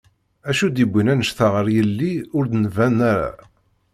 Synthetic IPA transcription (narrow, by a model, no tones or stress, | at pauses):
æʃud̪ibʷːinænəʃθəʁəɾjəlːiʊɾd̪nvænæɾa̰